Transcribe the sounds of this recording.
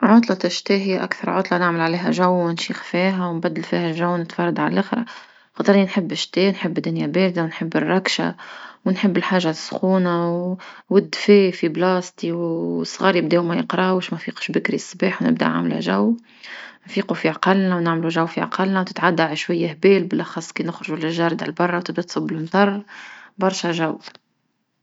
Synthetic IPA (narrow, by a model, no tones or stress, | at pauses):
ʕod̪ˤlɑt̪ɪʃt̪aɦiʔæ̰kθɑɾˤʕod̪ˤlɑnɪʕməlʕaleːɦæʒæwːnʃiːxfiːɦæwnbæd̪ːəlfihælʒawːnɪt̪fɑrˤːɑd̪ʕa̰llʔɪxɾˤɑ | xɑt̪ˤɾninħɪbːɪʃt̪eːnħɪbːd̪ːʊnjabeːld̪awnħɪbːɪrˤːɑkʃa̰wnħɪbːɪlħaːʒːasxuːnawwɪd̪ːfeːfiblɑːst̪iwsˤɣɑːɾib̚d̪eːmæjəqɾˤɑwʃmæfiːqʃbɪkɾisˤːbeːħwnɪ̰b̚d̪a̰ʕa̰mla̰ʒawː | nfiːqufiʕɑqɑlnawnɪʕmluʒawːfiʕɑ̰qɑlnawt̪ɪ̥t̪ʕad̪ːaalaʃwajːahbeːlbɪlʔɑxɑsˤːkenʊxɾʊʒulɪʒɑːɾˤd̪a̰lbɑrˤːɑwt̪ɪb̚d̪æt̪sˤɑbːɪlmt̪ˤɑrˤːbɑɾˤʃaʒaw